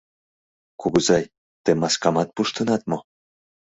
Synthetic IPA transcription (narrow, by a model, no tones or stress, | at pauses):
kuɣuzɑj | t̪emɑskɑmɑt̪̚puʃt̪ə̆nɑt̪̚mo